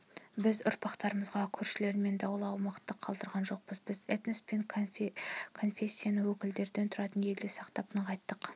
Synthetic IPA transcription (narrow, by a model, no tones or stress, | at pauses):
bɪzʊ̰ɾpɑqt̪ɑɾəməzʁɑkʲʰɵɾʃɪle̞ɾɪme̞nd̪ɑwlˠɑwmɑqət̪ːəqʰːɑlˠd̪əɾʁɑnʒo̞q̚bəzbɪzet̪nespe̞ŋ | kʰo̞nfʲe̞sʲːijanəwɵkʲɪld̪e̞ɾd̪ent̪ʰʊɾɑt̪ənje̞ld̪esɑqt̪ɑpənəqʰɑjt̪ːəq